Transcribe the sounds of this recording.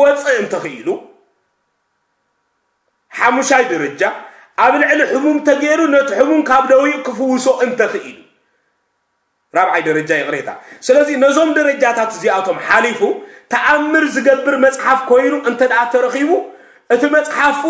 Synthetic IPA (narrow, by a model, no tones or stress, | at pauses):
wɔt͡sʼɨɨnt̪ʰɐxɨḭlu | ħamuʃajd̪ɐɾɐd͡ʒa | ʔaβlɨʕliħʊmumt̪ʰɐɡeɾunɐt̪iħumumkʰaβd̪ɐwiʔkɨfɨwːɨso̞ʔɨnt̪ʰɐxɨʔḭlu | ɾaβʕajd̪ɐɾɐd͡ʒajɪxʼɾet̪ʰa̰sɨlɐzinɐzo̞md̪ɐɾɐd͡ʒat̪ʰat̪ɨziat̪ʰo̞mħalifut̪ʰɐʔamːɨɾzɨɡɐbːɨɾmɐt͡sʼħafkʰo̞jnuʔɨnt̪ʰɐd̪ɐʔat̪ʰɐɾɐxiβu | ʔɨt̪ʰimɐt͡sʼħaf